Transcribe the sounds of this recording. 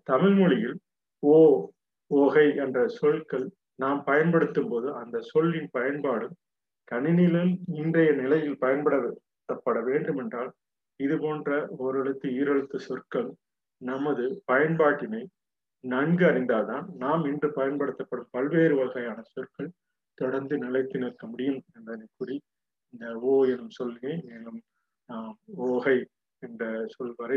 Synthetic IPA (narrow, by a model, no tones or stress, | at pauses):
t̪ɐmɪlmɯɭɪjɪl | oː | ɔɣɐɪɛndrɐsɔɭkɐɭ | naːmpɐjɐnpɐɽɯt̪ːɯmpoːðɯɐnd̪ɐsɔɭːɪnpɐjɐnbaːɽɯm | t̪ɐɳɪnɪlɯmɪndrɐjɐnɪlɐjɪlpɐjɐnpɐɽɐ | t̪ːɐpːɐɽɐʋeːɳɖɯmɛndraːl | ɪðɯpoːndrɐɔɾɐɽɯt̪ːɯiːɾɐɻɯt̪ːɯsɔrkɐl | nɐmɐðɯpɐjɐnbaːʈːɪnɐɪ | nɐŋɡɯɐɾɪnd̪aːt̪aːnnaːmɪndrɯpɐjɐnpɐɽɯt̪ːɐpːɐɽɯmpɐlʋeːɾɯʋɐɐɣɐjaːnɐsɔrkɐɭ | t̪ɔɽɐɾnd̪ɯnɪlɐɪt̪ːɪnɪɾkːɐmʊɽɪjɯmɛnd̪ɐnɐkːʊri | ɪnd̪ɐoːɛnɯmsɔlːŋemeːlɯm | moːɣɐɪ | ɛndrɐsɔlʋɐɾɐɪ